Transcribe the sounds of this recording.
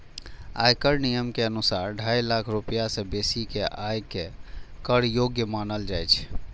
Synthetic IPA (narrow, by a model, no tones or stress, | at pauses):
a̰jkəɾnijəmkeənusaɾɖʱajlakʰɾupijasẽbesikeʔajkekəɾjoɡjəmanəld͡ʒajt͡ʃʰ